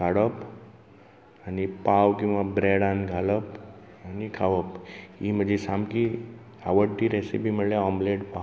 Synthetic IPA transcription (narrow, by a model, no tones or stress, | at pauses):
ɡʱaɽəp | anipaʋkĩw̃ʋabɾeɽanɡʱaləp | anikʰaʋəpim̤əd͡ʑʱesamki | aʋəɽʈ̪iɾesḭpiməɭlaɔmleɽpa